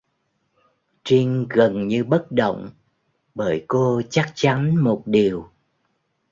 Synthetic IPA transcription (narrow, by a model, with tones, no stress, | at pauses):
t͡ɕi˧ŋɣə˨˩nɲɨ˧ɓə˦˥t̚ɗo̰˧˨wŋ͡m | ɓəː˧˩jko˧t͡ɕa˦˥k̚t͡ɕa˨˦nmo˨˩t̚ɗi˨˩əw